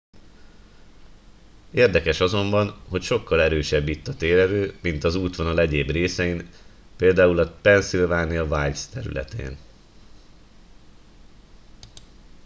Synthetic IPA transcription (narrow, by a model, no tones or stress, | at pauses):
eːrd̪ɛkɛʃɒzo̞mbɒnho̞cʃo̞kʰːɒlɛɾøːʃɛbːit̪ːɒt̪eːɾɛɾøːmint̪ɒzuːt̪ʋɒnɒlɛɟeːbreːsɛjin | peːld̪aːulɒpɛnsilvaːnijɒvajst̪ɛɾy̰lɛ̰t̪ḛːn